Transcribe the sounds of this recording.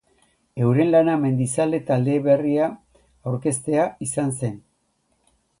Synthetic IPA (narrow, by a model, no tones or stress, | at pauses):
e̞wɾe̞nlaname̞nd̪isale̞t̪ald̪e̞βe̞ria | awɾke̞st̪e̞aisanse̞n